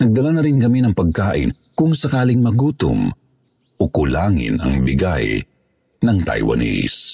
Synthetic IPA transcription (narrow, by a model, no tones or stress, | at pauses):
nɐɡ̚d̪ɐlanɐɾɪnkɐminɐŋpɐɡ̚kaːʔɪ̰n | kʊŋsɐkaːlɪŋmɐɡuːt̪ʊ̰m | ʔokʊlaːŋɪ̰nɐ̰ŋbɪɡa̰j | nɐŋt̪ɐ̰jwɐ̰nḭs